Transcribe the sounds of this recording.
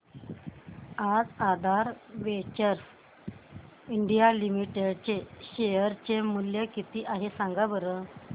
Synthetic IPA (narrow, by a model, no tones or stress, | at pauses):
ad͡zad̪ʱaɾʋet͡ɕəɾs | iɳɖijalimiʈeɖt͡ɕeɕejəɾt͡ɕemuljəkit̪iːʔaɦesãŋɡabəɾə